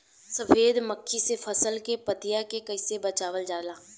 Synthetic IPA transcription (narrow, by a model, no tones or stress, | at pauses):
səfʰeːd̪məkʰːisefʰəsəlkepət̪ɪjakekəɪsebət͡ʃaːʋəld͡ʒaːlãː